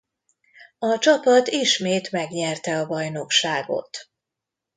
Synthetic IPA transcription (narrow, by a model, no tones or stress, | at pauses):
ɒt͡ʃɒpɒt̪iʃmeːt̪mɛɡɲɛrt̪ɛɒbɒjno̞kʃaːɡo̞̰t̪